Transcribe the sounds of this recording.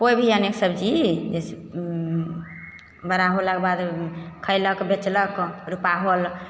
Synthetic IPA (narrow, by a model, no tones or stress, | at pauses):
kobʱijəneksəbd͡ʒid͡ʒese | bəɾaɦolakebad̪kʰəɪləkbet͡ʃləkɾupaɦol